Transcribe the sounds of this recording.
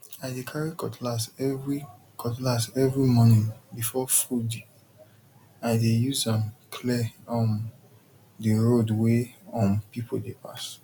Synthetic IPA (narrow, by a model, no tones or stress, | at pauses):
aɪdekʰaɹikɔtʰlasɛvɹi | kʰɔtlasɛvɹimɔ̃nĩbifɔfud | aɪdejuzãmkʰlɛɔ̃m | diɹodweɔ̃mpipʰodepas